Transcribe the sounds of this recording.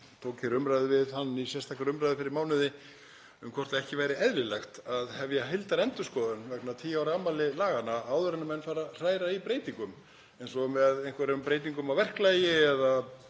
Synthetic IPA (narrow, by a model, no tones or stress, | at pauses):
t̪ʰoːwcʰɪɾʏmɾajðɪvɪðhanːisjɛst̪ahklaɾʏmɾajðɪfɪɾɪɾmaːwnɪðɪ | ʏmkʰvɔrt̪laɛhcɪvaːjɾɪɛðɾɪlɛxt̪aðhɛvjaɦejlt̪aɾɛnt̪ʏskɔðʏnvɛknat̪ʰiːawɾamalɪlaːɣanaaːwðʏɾɛnamɛnːfaːɾar̥aːjɾaipɾeːjt̪iŋkʏm | ɛjnsɔmɛðejnkvaɾɪɾʏmpɾeːjt̪̬iŋkʏmawvɛr̥klajɪɛða